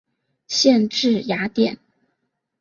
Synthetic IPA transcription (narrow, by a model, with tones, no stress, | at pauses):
ɕjɛ˥˧nʈ͡ʂɻ̩˥˩ja˧˥t̪jɛ˨˩˦n